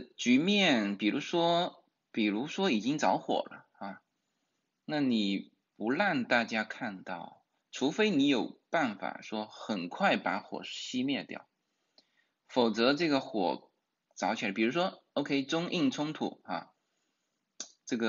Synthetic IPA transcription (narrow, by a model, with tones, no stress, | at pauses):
t͡ɕy˧˥mjɛ˥˩npi˨˩ɻu˧˥ʂwɔ˥ | pi˨˩ɻu˧˥ʂwɔ˥i˨˩t͡ɕi˥ŋt͡sɑ˧˥ʊxwɔ̰˨˩lə̰˦a˥˧ | na˥˩ni˨˩ | pu˧˥la˥˧nt̪a˥˩t͡ɕja˥kʰa˥˧nt̪ɑ̰˥˩ʊ | ʈ͡ʂʰu˧˥fe˥ɪni˧˥jo˨˩ʊpa˥˩nfa̰˨˩ʂwɔ˥xə˨˩nkʰwa˥˩ɪpa̰˧˥xwɔ̰˨˩ɕi˥mjɛ˥˧t̪jɑ̰˥˩ʊ | fo˨˩ʊt͡sɤ˧˥ʈ͡ʂɤ˥˩ɡə˩xwɔ̰˨˩ | t͡sɑ˧˥ʊt͡ɕʰpi˨˩ɻu˧˥ʂwɔ˥o˧˥ʊkʰe˥ɪt͡sʊ˥ŋʔi˥˩ŋt͡sʰʊ˥ŋt̪ʰṵ˨˩xa̰˥˩ | ʈ͡ʂɤ˥˩ɡə˩